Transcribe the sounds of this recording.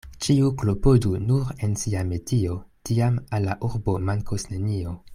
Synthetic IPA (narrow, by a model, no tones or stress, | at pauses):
t͡ʃiuklo̞po̞dunuɾe̞nsiame̞tio̞tiamalːaʔuɾbo̞maŋkosne̞nio̞